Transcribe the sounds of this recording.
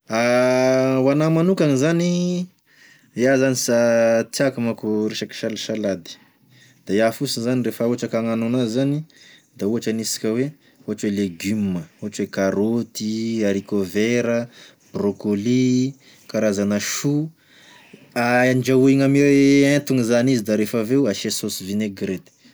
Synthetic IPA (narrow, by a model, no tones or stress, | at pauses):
a | wanamanukaŋizani | jazanisat̪akumakuɾeʃaki̥ʃalaʃalad̪i̥ | d̪̥ajafusinzanirefəuɦaʈ͡ʂəkaŋanunazanid̪auɦaʈ͡ʂənisi̥kʲəwe | uɦaʈ͡ʂweleɡymːəuɦaʈ͡ʂwekaɾot̪iaɾikoveɾə | b̥rokoli | kaɾazanaʃu | aaɳd͡ʒauiŋamiɾeent̪uŋizanizid̪aɾefaveuaʃesosivineɡɾet̪i̥